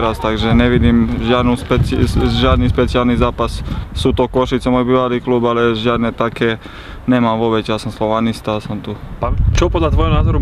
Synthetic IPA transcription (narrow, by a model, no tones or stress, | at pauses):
ɾast̪aɡʒɛɲɛʋid̪iːmʒɪad̪nuspɛt͡siʒɪad̪niːspɛt͡siɪalnizaːpassuːt̪ɔkɔʃit͡sɛmɔjbiːʋaliːkluːbalɛʒɪad̪nɛt̪akɛː | ɲɛmamʋɔbɛcjasɔmslɔʋanist̪asɔmt̪upat͡ʃɔpɔd̪lat̪ʋɔjɔnaːzɔɾu